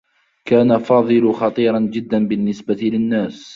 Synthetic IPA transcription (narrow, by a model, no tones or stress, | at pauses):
kaːnafɑːðˤɨlʊxɑt̪ˤiːɾˤɑnd͡ʒɪd̪ːanbɪnːɪsbat̪ɪlɪnːaːs